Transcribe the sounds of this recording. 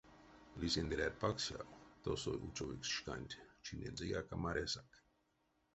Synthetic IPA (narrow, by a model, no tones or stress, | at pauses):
lisend̪ɾʲaɾpaksja̰t̪osojʔṵt͡soʋiksʃkanʲt̪ʲt͡ʃinʲezijakamaɾesak